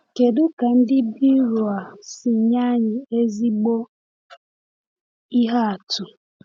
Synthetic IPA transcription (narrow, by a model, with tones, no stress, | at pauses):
ke˨dʊ˦ka˨n̩˦dɪ˦bi˦ɾu˨a˨sɪ˨ɲa˦ɲɪ˨e˦zi˦ɡ͡bo˦ | i˦ɦa˦a˨tʊ˨